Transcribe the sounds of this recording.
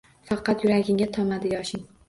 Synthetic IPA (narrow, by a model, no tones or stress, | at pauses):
fɑqʰɑt̪jʊɾaɡʲɪŋɡʲat̪ʰɒmad̪ɪjɒʃɪŋ